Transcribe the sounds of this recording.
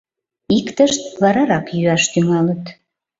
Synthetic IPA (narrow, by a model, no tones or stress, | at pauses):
ikt̪əʃt̪̚βɑɾɑɾɑkjyɑʃt̪yŋɑlət̪